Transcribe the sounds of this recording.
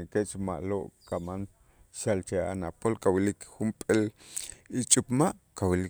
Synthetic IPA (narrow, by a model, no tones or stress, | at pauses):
ŋkeʔt͡ʃma̰ʔloʔkaman | ʃalt͡ʃea̰napolkawilikxumpʼel | it͡ʃʼupmaʔkawili